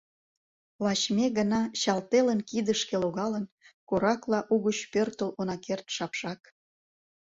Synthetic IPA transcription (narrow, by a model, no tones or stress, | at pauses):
lɑt͡ɕmeɣənɑɕɑlt̪elənkid̪əʃkeloɣɑlən | koɾɑklɑʔuɣət͡ɕpørt̪əlonɑkert̪ʃɑpʃɑk